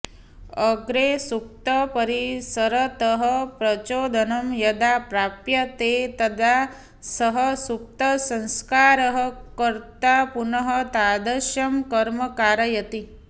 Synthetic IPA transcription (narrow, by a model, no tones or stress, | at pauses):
əɡɾesuk̚t̪əpəɾisəɾət̪əɦəpɾɐt͡ʃoːd̪ʱənɐmjɐd̪apɾapjɐt̪et̪ɐd̪ʱa | səɦəsuk̚t̪əsɐ̃nskaɾəɦəkəɾt̪apunəɦət̪ad̪əɾʃjɐmkɐɾməkaːɾɐjɐt̪i